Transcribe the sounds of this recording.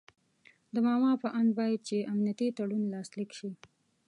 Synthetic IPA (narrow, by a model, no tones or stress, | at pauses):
d̪əmɑmɑpəʔand̪̚bɑjad̪̚t͡ʃeamnijat̪it̪aɽunlɑslikʃi